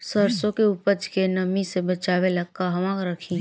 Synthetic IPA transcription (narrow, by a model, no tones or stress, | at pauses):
səɾsõkeupəd͡ʒkenɐmisebɐt͡ʃaːʋelɐɡkaɦɐmãːɡɾəkʰĩː